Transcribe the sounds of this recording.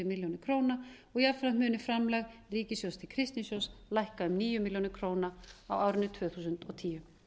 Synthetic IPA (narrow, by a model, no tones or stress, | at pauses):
ʏmɪljownɪ̥kʰɾoːwnaɔɣiafɾḁmʏːnɪfɾamlɛɣriːcɪsjowst̪ʰɪlkʰɾɪst̪nɪsjowslajhkaʏmniːjʏmiljownɪɾkʰɾoːwnaawaːwɾɪnːʏt̪ʰv̥œːθuːs̬ʏnt̪ɔt̪ʰiːjʏ